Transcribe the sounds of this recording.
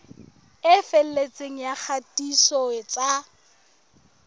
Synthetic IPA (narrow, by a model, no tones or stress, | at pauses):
ɪfel̩let͡sʼeŋ̩jak͡xʰatʼisɔɪt͡sʼa